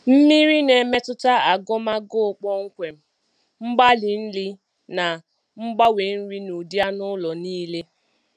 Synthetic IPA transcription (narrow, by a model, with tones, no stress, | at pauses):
m̩˦mi˦ɾi˦ne˨me˦tʊ˦ta˦a˨ɡʊ˦ma˦ɡʊ˦˨k͡pɔ˦ŋ̩˦kʷe˨m̩˦ | ŋ͡m̩˦ɡ͡ba˦li˨n̩˦li˦ | na˨ | ŋ͡m̩˦ɡ͡ba˦we˨n̩˦ɾi˦nu˨dja˦nʊ˦lɔ˨niː˦le˦